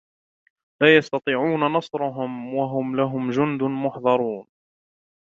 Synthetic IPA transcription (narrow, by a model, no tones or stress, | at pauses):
laːjɑst̪ɑt̪ˤiːʕuːnanɑsˤɾˤʊɦʊmwaɦʊmlaɦʊmd͡ʒʊnd̪ʊnmʊħðˤɑɾˤuːn